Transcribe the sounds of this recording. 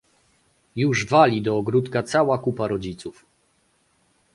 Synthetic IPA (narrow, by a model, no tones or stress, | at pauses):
juʐvalʲid̪ɔːɡɾut̪kat̪sawakupaɾɔd͡ʑit̪suf